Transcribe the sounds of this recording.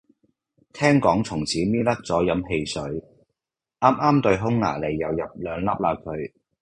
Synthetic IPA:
t̪ʰɛː˥ŋkɔː˨˥ŋt͡sʰʊ˨˩ŋt͡sʰiː˨˥miː˥lɐ˥k̚t͡sɔː˨˥jɐ˨˥mɦe˧jsɵ˨˥ɥ | ʔaː˥mʔaː˥mt̪ɵ˧ɥɦʊ˥ŋːa̰ː˨˩le˨˩jːɐ˨wjɐ˨p̚lœː˨˧ŋlɐ˥p̚laː˧kʰɵ˨˧ɥ

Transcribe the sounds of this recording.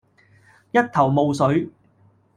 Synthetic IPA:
jɐ˥t̚t̪ʰɐ˨˩wmo˨˧wsɵ˨˥ɥ

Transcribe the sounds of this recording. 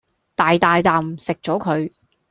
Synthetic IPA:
t̪aː˨˩jt̪aː˨jt̪aː˨msɪ˨k̚t͡ʃɔː˨˥kʰɵ˨˧ɥ

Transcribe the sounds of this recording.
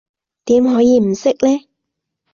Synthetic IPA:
t̪iː˨˥mɦɔː˨˥jiː˨˧m̩˨˩sɪ˥k̚lɛː˥

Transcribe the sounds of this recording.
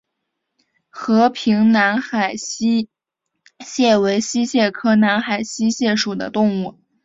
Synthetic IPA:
xɤ˧˥pʰi˧˥ŋna˧˥nxa˨˩ɪ˥ | ɕjɛ˥˩we˧˥ɪɕi˥ɕjɛ˥˩kʰɤ˥na˧˥nxa˨˩ɪɕi˥ɕjɛ˥˩ʂu˨˩d̪ə̰˦t̪ʊ˥˧ŋu˥˩

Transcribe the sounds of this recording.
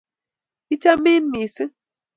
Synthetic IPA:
i˦t͡ʃa˦mɪ˦nmi˨sɨ˦

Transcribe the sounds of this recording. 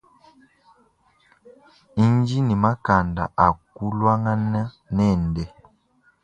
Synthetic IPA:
i˦nd͡ʒi˦ni˨ma˦ka˨nda̰˨ʔa˨k̚u˦lwa˦ŋa˦na˦ | nɛ˦˨ndɛ˦

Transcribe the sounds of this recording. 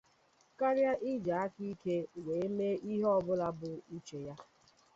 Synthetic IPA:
ka˦ɾja˦ʔi˦d͡ʒa˨a˦ki˦ke˦we˨e˦me˦i˦ɦɔ˦bʊ˦la˦bʊ˨i˦t͡ʃe˨ja˦

